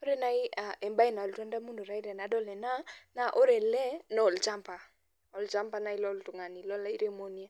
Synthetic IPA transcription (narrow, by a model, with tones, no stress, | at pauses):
o˦ɾe˦na˦ɪ˦a˨e˨mba˦ɪ˦na˨ltwɛ˦nda˦mu˦ndo˨ɾa˦i˦ɾe˨na˨˦dɔ˦˨lɛ˨na˦na˨ʔo˦ɾe˨lɛ˦nɔ˨lt͡ʃa˦mpa˨ | ɔ˨lt͡ʃa˦mpa˦na˨ɪ˦lɔ˦ltʊ˨ŋa˨ni˨lɔ˦la˦i˦ɾe˦mo˦ni˦a˦